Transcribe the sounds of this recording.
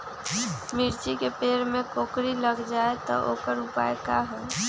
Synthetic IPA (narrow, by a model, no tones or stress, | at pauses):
miɾt͡ʃikepeːɾmẽkoːkɾiləɡd͡ʒaːet̪ɔ̰ʔo̰ːkəɾʊpa̰ːekaɦɛː